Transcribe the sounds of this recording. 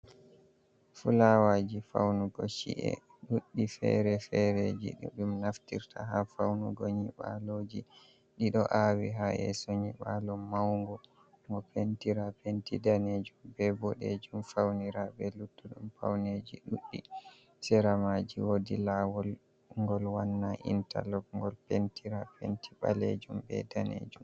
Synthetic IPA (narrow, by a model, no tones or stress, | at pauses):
fulawad͡ʒifa̰wnuɡɔʃḭʔɛ̰ | ɗuɗːifɛ̰ɾɛfɛɾed͡ʒḭɗuɗumnaftiɾtʰa̰ɦafawnuɡɔɲiɓa̰lod͡ʒi | ɗiɗɔʔawiɦaɛ̰soɲiɓalɔmawŋɡɔ | ŋɡɔpentiɾapentidaned͡ʒumbɛbɔɗed͡ʒumfawniɾabɛlutːuɗumfa̰wned͡ʒiɗuɗːi | sɛɾamad͡ʒiwodilawɔl | ŋɡɔlwanːaʔḭnta̰lɔk̚ŋɡɔlpentiɾapenti̥ɓa̰led͡ʒumbɛ̰danḛd͡ʒum